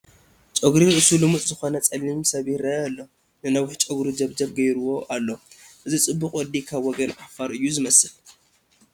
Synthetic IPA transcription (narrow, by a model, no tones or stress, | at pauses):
t͡ʃʼoɡɾiɾɨʔɨsulɨmut͡sʼzɨxo̞nɐt͡sʼɐlːimsɐβiɾɐalːo̞ | nɨnawħt͡ʃʼoɡɾid͡ʒɐβd͡ʒɐβɡɐjɾuwo̞ʔalːo̞ʔɨzit͡sʼɨbːuqʼwɔd̪ikʰaβwɔɡɐnʔafaɾʔɨjːuzɨmɐsɨl